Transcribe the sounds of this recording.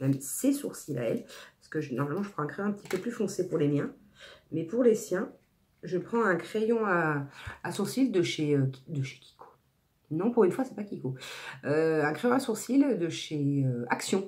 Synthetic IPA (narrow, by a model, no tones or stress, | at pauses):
mɛmsesuʁsila̰ɛlpasə̥kəʒənɔʁmalmɑ̃ʒəpχɑ̃ɛ̃kχej̃ɛ̃pət̪ipøplyfɔ̃sepuʁlemjɛ̃ | mɛpuʁlesjɛ̃ | ʒəpχɑ̃ɛ̃kχejɔ̃aː | suʁsild̪əʃeøkʲd̪əʃe̥kʲi̥kʰo̥ | nɔ̃puʁynfwasɛpakʲikoøɛ̃kχejɔ̃asuʁsild̪əʃeøaksjɔ̃